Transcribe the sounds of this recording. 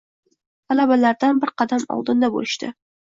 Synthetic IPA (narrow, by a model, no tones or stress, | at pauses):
alabalaɾd̪anbɪɾqʰɑd̪amɒ̰lˠd̪ɪnd̪abo̰lɪʃt̪ɪ̰